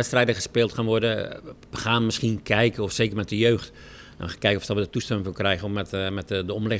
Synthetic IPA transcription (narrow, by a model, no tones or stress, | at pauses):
ɛtstrɛjdəɣəspɪːlˠtxanʋɔrdə | əxaːnmɪsxiənkʰɛjkəɔfseːkərmɛt̚dəjøːxt | ɛ̰̃nəxaːnkɛjkəɔfsdaʋədətustɛmɪŋʋəlˠkrɛjɣəɔmɛtmɛtdəɔmlɪ